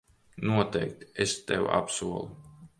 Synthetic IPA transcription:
nuɔt̪ɛjk̚t̪ɛst̪ɛwa̰psuɔlˠu

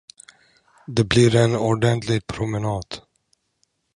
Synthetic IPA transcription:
d̪ɛbliɾɛnɔɖɛnt̪lɪɡ̚pʰɾʊmɛnɑːd̪̥

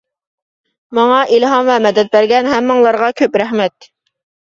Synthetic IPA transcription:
mɑŋɑʔilɦɑmvɛmɛd̪ɛt̪̚bæɾɡʲɛnɦæmːəŋlˠɑɾʁɑkʲʰøpɾæhmɛt̪

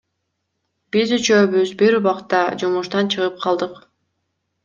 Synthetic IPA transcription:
b̥izyt͡ʃøβyzbiɾuβɑqt̪ɑd͡ʒumuʃt̪ɑnt͡ʃʰɯʁɯp̚qʰɑlˠd̪ɯq

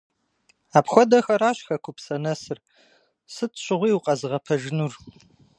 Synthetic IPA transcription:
aːpxʷɔdɐxɐɾaːɕxɐkʷʰʊpsɐnɐsɨr | sɨtʰɕʷʼɪʁʷiːwʊqʼɐzɨʁɐpʰɐʒɪnur

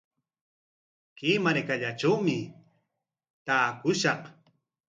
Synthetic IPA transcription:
kɪmaɾkaʎaʈ͡ʂawmɪ | t̪aːkʊʃɑχ

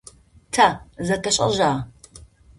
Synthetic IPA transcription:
tʰazɐtʰɐɕʼɐ̰ʒaː

